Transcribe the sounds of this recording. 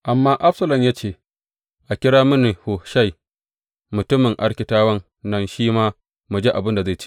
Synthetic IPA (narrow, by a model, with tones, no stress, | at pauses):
ʔa˨mːaː˦ʔa˦ɸsɐ˦lɐ˨mjaː˦t͡ʃeː˦˨ | ʔa˨kʲɪ˦ɽaː˦mʊ˦ne˨ho˨ʃa˦˨j | mʊ˨tʊ˦mɪ˨ŋʔa˦ɽkʲɪ˨taː˦wɐ˦n | nɐ˦nʃiː˦maː˦ | mu˨d͡ʒeː˦ʔa˨bɪ˦nda˨za˦˨t͡ʃi̥˦